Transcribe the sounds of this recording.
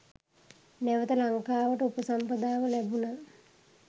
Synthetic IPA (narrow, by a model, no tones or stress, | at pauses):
næʋət̪əlaŋkaːʋəʈəupəsampəd̪aːʋəlæbuna